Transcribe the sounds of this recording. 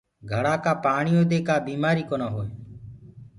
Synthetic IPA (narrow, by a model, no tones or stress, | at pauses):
ɡʱəɽaːkaːpaːɳɪjoːd̪eːkaːbiːmaːɾiːkoːnaːɦoːeː